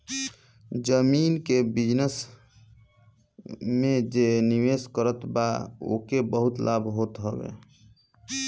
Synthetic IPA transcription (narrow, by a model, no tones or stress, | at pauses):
d͡ʒəminkebid͡ʒnəs | mẽd͡ʒeniweskəɾət̪bao̰kebəɦʊt̪lʔabɦot̪ɦɔbḛ